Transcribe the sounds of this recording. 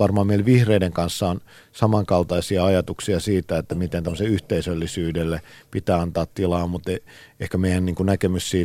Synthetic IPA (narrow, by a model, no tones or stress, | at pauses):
ɑrmɑːmeileʋihreideŋkɑnsːɑon | sɑmɑŋkɑlt̪ɑisiɑɑjɑt̪uksiɑsiːt̪æet̪ːæmit̪ent̪æmːəseyht̪eisølːisyːdelːepit̪æːɑnt̪ɑːt̪t̪ilɑːmmut̪e | ehkæmeijænniːŋkunækemyssiː